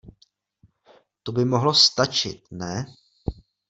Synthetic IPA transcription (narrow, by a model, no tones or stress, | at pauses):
t̪obɪmo̞ɦlo̞st̪at͡ʃɪ̰t̪̚nɛ